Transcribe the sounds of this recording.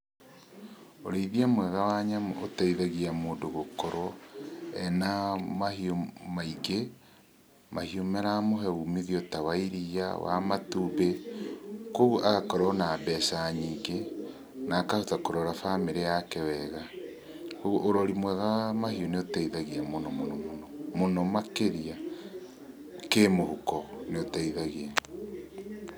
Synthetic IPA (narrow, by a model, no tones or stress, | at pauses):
o̰ɾeiðiamwɛɣawaɲamotaiðaɣiamoːdoɣokɔɾwɔɛnamahiomaiɡe | mahiomɛɾamoɦɛumiðiotawaiɾia̰wa̰matuːbe | koɣuʔaɣakɔɾwɔnaːbɛsaɲiɡe | naːkahotakoɾɔɾafameɾeakewɛɣa | oʔoɾɔɾimwɛɣamahioneotaiðaɣiamonɔmonɔmonɔmonɔmakeɾia | kemohukɔneotaiðaɣiɛ